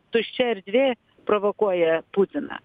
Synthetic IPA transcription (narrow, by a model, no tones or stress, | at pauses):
t̪ʊʃʲt͡ʃʲɛɾʲd̪ʲʋʲeː | pɾoʋokuɔjɛpuːt̪ʲɪnɐ̰